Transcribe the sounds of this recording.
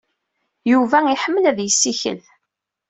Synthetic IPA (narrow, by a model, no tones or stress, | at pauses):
juvæiħəmːəlæðjəsːiçə̰l